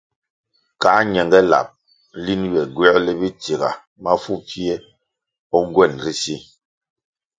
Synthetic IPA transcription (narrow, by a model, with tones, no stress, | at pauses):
ka˨˦ɲɛ˨ŋɡɛ˦la̰˨p̚ | li˦njɛ˨ɡwɛ˦lɛ˦bi˦ti˨ɣa̰˨ | ma˦fu˦˨fi˦ɛ˦ | ɔ˦ŋ˦ɡwɛ˦˨nɾi˦si˦